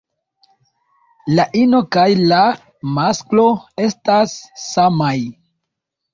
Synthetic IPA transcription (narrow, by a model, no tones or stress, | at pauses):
laʔino̞kajla | masklo̞e̞stasːamaj